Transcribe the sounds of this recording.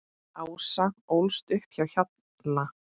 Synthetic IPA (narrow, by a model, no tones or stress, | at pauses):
awsaowlst̪ʏhpçawçat̪ | na